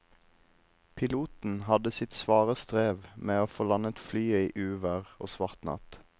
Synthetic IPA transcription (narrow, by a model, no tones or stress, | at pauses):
pʰɪluːt̪n̩hɑd̪əsɪt̪sʋɑːʁəst̪ʁeːʋmeːoːfoːlɑnət̪flyːiːʔʉːʋəʁo̰ːsʋɑʁt̪nɑ̰t̪